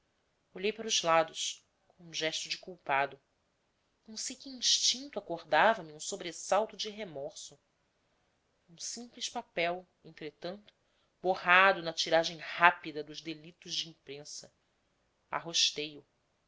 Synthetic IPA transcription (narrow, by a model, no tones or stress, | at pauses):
oʎejpaɾʊzlad̪ʊs | kõũʒɛʃt̪ʊd͡ʒɪkuwpad̪ʊ | nɐ̃w̃sejkʲiĩʃt͡ʃĩnt̪uakoɾd̪avɐmiũsobɾesawt̪ʊd͡ʒiɦemɔɾsʊ | ũsĩmpliʃpapɛw | ẽnt̪ɾet̪ɐ̃nt̪ʊ̥ | bohad̪ʊnɐt͡ʃiɾaʒẽj̃hapid̪ɐd̪ʊzd̪elit̪ʊzd͡ʒɪĩmpɾẽsɐ | a̰ɦoʃt̪ejʊ